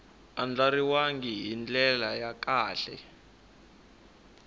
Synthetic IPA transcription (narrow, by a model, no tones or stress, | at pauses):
and͡ɮaɾiwaŋɡiɦind͡ɮɛlajak̬aːɬɛ̰